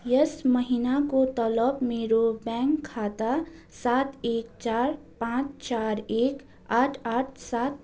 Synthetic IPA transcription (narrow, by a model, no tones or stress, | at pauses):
jəsməɦinakot̪ɔləbmeːɾobɛ̃ːŋkʰːaːt̪a | saːt̪eːk̚t͡ʃaːɾ | pãːt͡ʃt͡ʃaːɾeːk | aːʈʰaːʈʰsaːt̪̚